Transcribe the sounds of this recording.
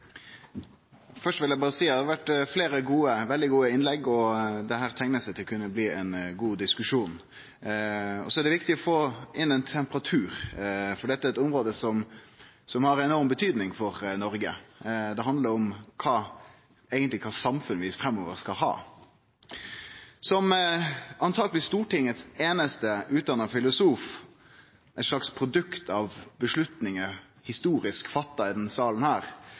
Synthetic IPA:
fœʂtʋɪljæɪbɑːʁəsiːd̪æɑɾʋæʈːfleːɾəɡuːəʋɛld̪ɪɡuːəɪnlɛɡɔd̪ɛɦæːɾt̪ʰæŋnəsɛɪt̪ʰɪlkʰʉnːəbliːɛɪnɡuːd̪ɪskʉʂuːn | ɔ̰sɔɛɖ̪ɛʋɪkt̪ɪɔfoːʔɪnɛnt̪ʰɛmpəʁɑt̪ʰʉːɾfɔɖɛt̪ːəæɛɾɛt̪ʊmʁoːd̪əsɔm | sɔmhɑɾɛnɔʁmbət̪ʰyːd̪nɪŋfɔɾnɔɾɡəd̪ɛɦɑnd̪ləɾɔmkʰɑː | eːɡənt̪lɪkʰɑːsɑmfʉnʋɪfɾɛmːɔːʋəɾskɑlɦɑ̰ː | sɔm | ɑnt̪ʰɑːɡəlɪst̪uːʈɪŋət̪seːnəst̪əʉːt̪̚d̪ɑnːɑfɪlʊsuːf | ʔɛt̪ʂɭɑkspʰɾʊd̪ʉkt̪ʰɑʋbəʂlʉt̪nɪŋə | hɪst̪uːɾɪskfɑt̪ːɑɪd̪ɛnsɑːlən̩hæːɾ

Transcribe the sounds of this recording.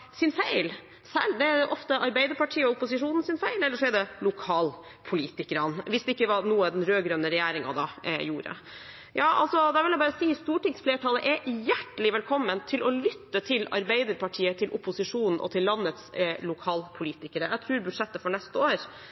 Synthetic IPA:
sɪnfæɪl | sæ̰ːɭd̪ɛæʔɔft̪əʔɑɾbæɪd̪əɾpʰɑʈʰiːəɔʊpʊsɪʂuːnn̩sɪnfæɪlɛlːəʂɔɛɖɛlʊkʰɑːl | pʰʊliːt̪ɪkəɾɑnʋɪsd̪ɛɪkːəʋɑnuːəd̪ɛnɾøːɡɾœnəɾɛjæːɾɪŋɑ̰d̪ɑːjuːɾə̰ | jɑːʔɑ̰lsɔd̪æɾʋɪljæbɑːɾəsiːhɪst̪uːʈɪksfleːʈʰɑːləʔɛjæʈːəlɪʋɛlkʰɔmːənt̪ʰɪlʔɔlʏt̪ːət̪ʰɪlɑ̰ɾbæɪd̪əɾpɑʈʰiːət̪ʰɪlʔʊpʊsɪʂuːnn̩ʔɔ̰t̪ʰɪlːɑnːət̪slʊkʰɑːlpʰʊliːt̪ɪkəɾəjæt̪ʰɾʉːɾbʉ̥ʂɛt̪ːəfɔɳɛst̪əoːɾ

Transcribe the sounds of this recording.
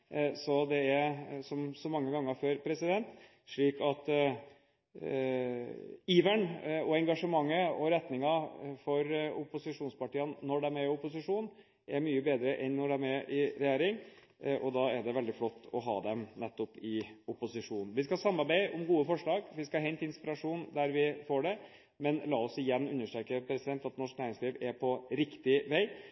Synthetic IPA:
sɔd̪ɛæɾsɔmsɔmɑŋːəɡɑŋːəɾføːɾpʰɾɛsɪd̪ɛnt̪ | ʂɭiːkɑt̪ | iːʋəɳɔɛŋɡɑʂəmɑŋːəɔɾɛt̪nɪŋɑfɔɾʊpʊsɪʂuːnspɑʈiːənnɔɖɛmæɾɪʊpʊsɪʂuːn | ʔæɾmyːəbeːd̪ɾəʔɛnːɔɖɛmæʔɪɾɛjeːɾɪŋ | ʔɔd̪ɑæɖɛʋɛld̪ɪflɔt̪ːɔ̰ɦɑ̰ːd̪ɛmnɛt̪ːɔpɪʊpʊsɪʂuːnn̩ʋɪskɑsɑmːɑɾbæɪʔʊmɡuːəfɔʂɭɑːɡʋɪskɑɦɛnt̪ɪnspɪɾɑʂuːnd̪æɾʋɪfoːɖɛ | mɛnlɑːɔsɪjɛnːʉnːəʂʈɾɛːkəpʰɾɛsɪd̪ɛnt̪ɑt̪nɔʂknæːɾɪŋsliːʋɛɾpʰɔɾɪkt̪ɪʋæɪ

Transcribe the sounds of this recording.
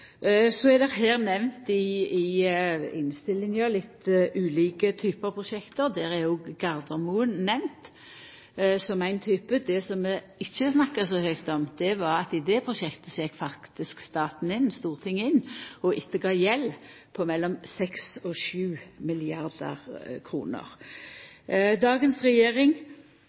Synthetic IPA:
sɔɛd̪ɛɦeːɾnɛʋnt̪ɪɪ | ɪnst̪ɪlːɪŋjɑlɪt̪ːʔʉːliːkət̪ʰyːpəɑpʰʁʊʃɛkt̪əɾd̪æːɾɛoːɡɡɑɾd̪əʁmuːənnɛʋnt̪ | sɔmæɪnt̪ʰyːpəd̪ɛsɔmːɛ | ɪçːəsnɑkːəsɔhœʏkt̪ɔmd̪̥ɛʋɑɾɑt̪ɪd̪ɛpʰɾʊʃɛkt̪əsɔjɛkfɑkkt̪ɪskst̪ɑːt̪n̩ɪnst̪uːʁt̪ʰɪŋːəɪnɔʔɪt̪ːəɡɑːjɛlː | pʰɔmɛlːɔmsɛksɔʃʉːmɪlɪɑʁd̪ə̰ʁkʰɾṵːnə̰ɾ | d̪ɑːɡənsʁɛjeːɾɪŋ

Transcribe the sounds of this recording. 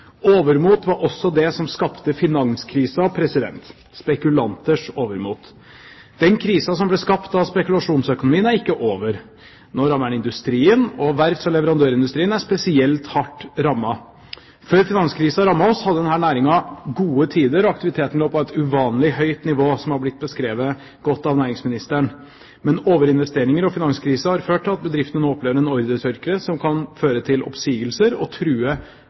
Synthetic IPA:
oːʋəɾmuːt̪ʋɑɾɔsːɔd̪ɛsɔmskɑpt̪əfɪnɑŋskʰɾiːsɑpʰɾɛsɪd̪ɛ̰nt̪ | spɛkʉlɑnt̪əʂoːʋəɾmuːt̪ | d̪̥ɛnkʰɾiːsɑsɔmblɛskɑpt̪ɑʋspɛkʉlɑʂuːnsœkʊnʊmiːənæɾɪkːəʔoːʋəɾ | nɔːɾɑmːæɳɪnd̪ʉst̪ɾiːənɔʋæɾt̪sɔlɛʋəɾɑnd̪øːɾɪnd̪ʉst̪ɾiːənæspɛsɪɛlt̪hɑʈːɾɑmːɑ | føːɾfɪnɑnskʰɾiːsəɑɾɑmːɑɔshɑd̪əd̪ɛnɦæːɳæːɾɪŋɑɡuːət̪ʰiːd̪əɾɔɑk̚t̪ɪʋɪt̪ʰeːt̪ən̩loːpʰɔɛt̪ʉʋɑːnlɪhœʏt̪nɪʋoːsɔmhɑɾblɪt̪̚ːbəskɾeːʋə | ɡ̥ɔt̪ːɑʋnæːɾɪŋsmɪnɪst̪əɳ | mɛnoːʋəɾɪnʋɛst̪eːɾɪŋəɾɔfɪnɑnskʰɾiːsəhɑɾføːʈʰːɪlɑt̪̚bəd̪ɾɪft̪ənoːɔpleːʋəɾɛnɔɾd̪ət̪ʰʏɾkəɾəsɔmkʰɑnføːɾət̪ʰɪlʔɔ̰psiːɡəlsəɾɔ̰t̪ʰɾʉːə

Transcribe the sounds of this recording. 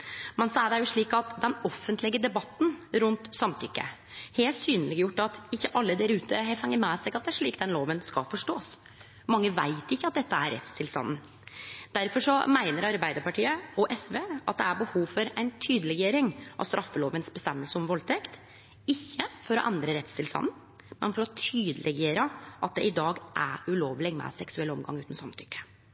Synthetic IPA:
mɛnsɑːəɖ̪æjʊʂɭiːkɑt̪d̪ɛnɔfːənt̪lɪɡəd̪ɛbɑt̪ːn̩ɾʉnt̪sɑmt̪ʰʏkːə̰ | heːlt̪syːnəlɪɡjʊʈːɑt̪ɪçːəʔɑlːəd̪æɾʉːt̪ʰəɦɛfɛŋːəmɛːsæɪɡɑt̪d̪ɛæʂɭiːkd̪ɛnloːʋənskɑ̰lfɔʂʈoːs | mɑŋːəʋæ̰ɪt̪ɪçːəɑt̪̚d̪ɛt̪ːəæɾɛ̰t̪st̪ʰɪlst̪ɑ̰nn̩ | d̪̥æɾfɔʂɔmæɪnəɾɑɾbæɪd̪əɾpɑʈʰiːəɔʔɛsʋeːʔɑ̰t̪̚d̪ɛæbəhuːʋfɔɾæɪnt̪ʰyːd̪əlɛɡjeːɾɪŋʔɑ̰st̪ɾʔɑfːəloːʋənsbəst̪ɛmːəlsəɔmʋɔlt̪ʰɛkt̪ | ɪçːəfɔɾɔ̰ʔɛnd̪ɾəɾɛt̪st̪ʰɪlst̪ɑ̰nn̩ | mɛnfɔɾɔt̪ʰyːd̪əlʔɛɡeːɾəʔɑt̪̚d̪ɛʔɪd̪ɑːɡʔæ̰ɾʉloːʋlɪɡmɛ̰sɛksʉɛlːəɔmɡɑ̰ŋːʉːt̪n̩sɑmt̪ʰʏkːə̥

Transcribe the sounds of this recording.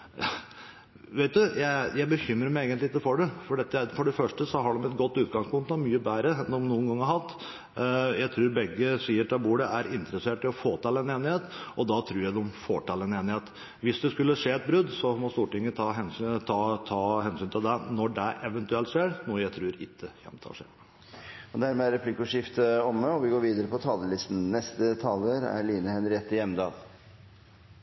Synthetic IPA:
ʋeɪt̪̚d̪ʉjæɪjæɪbəçʏmːɾəmæɪeːɡənt̪lɪɪkːəfɔɖɛfɔɖɛt̪ːəfɔɖɛfœʂʈəsɔɦɑɖɔmɛt̪ɡɔt̪ːʉːt̪ɡɑŋspʊŋt̪nɔmyːəbæːɾəɛnd̪ɔmnuːənɡɑŋːəɦɑt̪ː | jæɪt̪ʰɾʉːɾbɛɡːəsiːəʈɑbuːɽəʔæɾɪnt̪ɾəseːʈɪlɔfoːt̪ʰɑːlɛneːnɪheːt̪ʔɔd̪ɑt̪ʰɾʉːɾjæɪd̪ɛɔmfo̰ːʈɑːlɛneːnɪheːt̪ | ʋɪsd̪ɛskʉlːəʂeːɛt̪̚bɾʉd̪sɔmɔst̪uːʈɪŋːət̪ʰɑɦɛnst̪ʰɑt̪ʰɑːhɛnsyːnt̪ʰɪld̪ɛnɔɖæʔɛʋɛnt̪ʉɛlt̪ʂeːɾnuːəjæɪt̪ʰɾʉːɾɪ̰kːəçɛ̰mt̪ʰɑ̰ʂḛː | ɔd̪æɾmɛːæɾɛpʰlɪkːʊʂɪft̪əɔmːəɔʋɪɡoːɾʋiːd̪əɾəpʰɔt̪ʰɑːləlɪst̪n̩nɛst̪ət̪ʰɑːləɾæ̰ɭiːnəhɛnɾɪɛt̪ːɪjɛmd̪ɑːl

